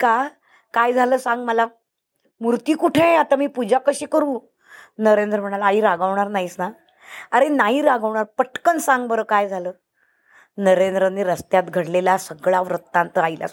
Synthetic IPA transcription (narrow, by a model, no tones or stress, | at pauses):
ka | kajd͡zʱaləːsãŋɡməla | muɾt̪iːkuʈʰeat̪amiːpud͡ʑʱakəɕekəɾũː | nəɾend̪ɾəm̤əɽ̃alaiɾaɡəʋɳ̃aɾnaɦisna | aɾenaɦiːɾaɡəʋɳaɾpəʈkənsãŋɡbəɾəːkajd͡zʱaləː | nəɾend̪ɾənːiɾəst̪jat̪ɡʱəɽlelasəɡɭaʋɾət̪ːãnt̪əajlʔa̰